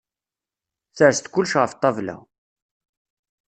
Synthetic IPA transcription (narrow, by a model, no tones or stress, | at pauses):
θəɾst̪kʊlːʃʁəft̪ˤːɑvlæ̰